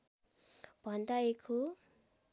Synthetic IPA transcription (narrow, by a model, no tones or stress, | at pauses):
b̥ʱʌnd̪aekʰo